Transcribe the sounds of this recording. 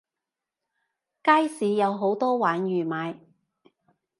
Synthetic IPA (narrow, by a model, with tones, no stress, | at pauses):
kaː˥jsiː˨˧jɐ˨˧wɦo˨˥wt̪ɔː˥waː˨˥njyː˨˩maː˨˧j